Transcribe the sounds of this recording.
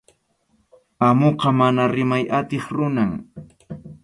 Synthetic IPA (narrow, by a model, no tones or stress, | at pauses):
amoqɑmanaɾɪmajat̪ɪχɾʊnaŋ